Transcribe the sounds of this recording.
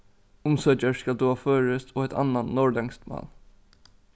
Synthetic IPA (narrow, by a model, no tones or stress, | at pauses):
ʊmsœt͡ʃəɹskɑld̪ʉːhɑːføːɹəst̪oːɛt̪ʰɑ̰nannɔɹd̪ɛŋst̪mɑ̰ːl